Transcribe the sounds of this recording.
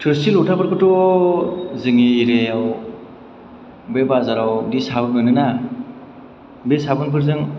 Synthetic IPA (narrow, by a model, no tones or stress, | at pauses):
tʰɯɾsilutʰapɯɾkʰɯtɔ | zɯŋiːɾeaw | bebazaɾawdisabɯnojnɯna | besabɯnpʰɯɾzɯŋ